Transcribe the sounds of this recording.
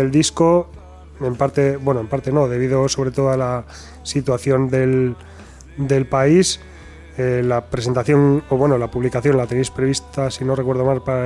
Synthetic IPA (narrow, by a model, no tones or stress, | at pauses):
eld̪isko̞ | empaɾt̪e̞bwe̞noempaɾt̪e̞no̞ðe̞β̞iðo̞so̞β̞ɾe̞t̪o̞ðoala | sit̪waθjo̞nd̪e̞l | d̪e̞lpais | elapɾe̞se̞nt̪aθjo̞noβwe̞nolapuβlikaθjo̞nlat̪enejspɾe̞β̞ist̪asino̞rekweð̞o̞malpa